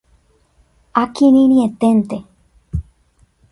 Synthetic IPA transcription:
akinĩnĩet̪ent̪e

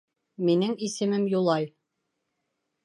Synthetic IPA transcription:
minɘŋisɘ̆mɘmjulˠɑj

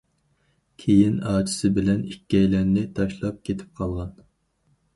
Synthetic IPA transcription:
kʲʰejinɑːt͡ʃʰi̥sɪbɪlɛnikʲːɛjlæɾnɪt̪ʰɑʃlˠɑp̚kʲʰet̪ʰɪ̥p̚qʰɑlˠʁɑn

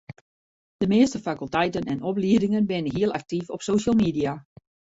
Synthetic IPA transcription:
d̥əmɪːəstəfakylˠtɛjtənɛnɔpliədɪŋənbɪnənɦiəlˠak̚tifɔpsoːʃəlˠmidia

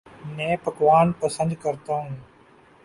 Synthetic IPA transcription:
nẽːpəkʋaːnpəsə̃nd̪̚kəɾt̪aːɦũː

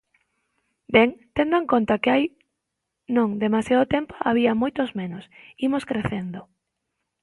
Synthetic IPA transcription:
bɛŋt̪end̪aŋkont̪akeaj | nõŋd̪emasjaðot̪empoʔaβiamojt̪ozmẽnosimoskɾeθend̪o

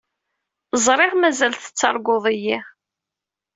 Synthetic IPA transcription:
zˤɾˤɪʁmæzælθə̥t͡sːɑ̰ɾˤɡʊðˤiji

